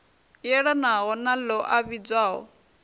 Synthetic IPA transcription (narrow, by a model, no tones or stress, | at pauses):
jɛɺanaɣɔnalɔʔaβid͡zwaːɦɔ̰